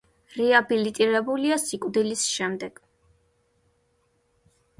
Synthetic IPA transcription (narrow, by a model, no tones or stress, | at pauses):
ɾiabilit̪ʼiɾɛbuliasikʼd̪ilisʃɛmd̪ɛɡ̥